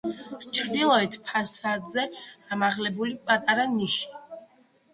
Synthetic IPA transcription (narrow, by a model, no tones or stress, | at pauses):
ɾt͡ʃʰɾd̪ilˠɔɛt̪ʰpʰasad̪zɛamaʁlɛbulipʼat̪ʼaɾaniʃi̥